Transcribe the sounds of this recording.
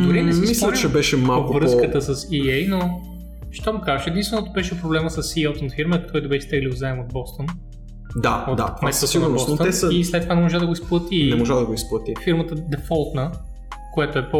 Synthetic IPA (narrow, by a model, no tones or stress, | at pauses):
d̪ʊɾiɛsmːislʲət͡ʃɛbɛʃɛmalkvɾɤskət̪əsɐsiɛjno | ʃt̪ɔmukazəʃɛd̪inst̪vɛnot̪ʊbɛʃɛpɾoblɛməsɐsːiɔt̪onfiɾmək̪ʰɔɛjt̪ʊbɛʃɛ̥t̪ɛɡlʲiɡozaɛmod̪̚bɔst̪on | d̪aod̪a̰mɛssiɡnɐʊɾbnobɔsnot̪əɛsəislɛt̪ːovanɛmoʒad̪ɐɡoisplˠɐt̪inɛmoʒad̪ɐɡoisplˠɐt̪ifiɾmət̪əd̪ɛfɔlˠt̪nə | kojat̪oɛpo